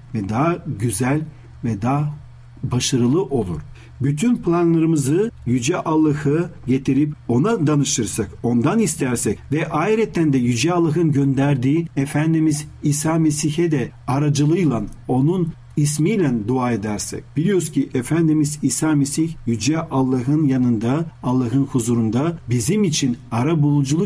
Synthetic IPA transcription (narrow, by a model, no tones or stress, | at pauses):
vɛd̪aɟyzælʲ | vɛd̪aː | baʃaɾɯlˠɯʔo̞lˠuɾ̥ | byt̪ʰynplʲˠanlˠaɾɯmɯzɯjyd͡ʒɛʔalˠːahɯɟe̞t̪ʰiɾipo̞nad̪anɯʃt̪ɯɾsako̞nd̪anist̪ʰæɾsɛcvɛʔaiɾɛt̪ːænd̪ɛjyd͡ʒɛalˠːaɦɯnɟønd̪æɾd̪iːefænd̪imizisaːme̞siçɛd̪ɛaɾad͡ʒɯlˠɯjlˠano̞nun | ismiːlʲænd̪uaːe̞d̪æɾsɛ̰cb̥ilʲijoscʰiʔefænd̪imiziːsaːme̞siçjyd͡ʒɛʔalˠːaɦɯnjanɯnd̪aːlˠːaɦɯnhuzuɾund̪abizimit͡ʃʰinaɾabulˠud͡ʒulˠu